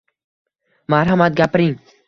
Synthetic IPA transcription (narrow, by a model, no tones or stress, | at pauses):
maɾɦamat̪̚ɡʲapɾiŋ